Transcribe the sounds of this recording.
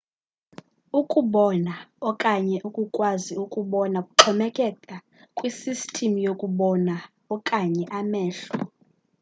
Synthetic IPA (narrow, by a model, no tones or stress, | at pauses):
ukʼuɓɔnaɔkʼaɲɛʔukʼukʼwaziukʼuɓɔnakʼuǁʰɔmɛkʼɛkʼa | kʼwisistʰʼimujokʼuɓɔna | ɔkʼaɲɛʔamɛːɬɔ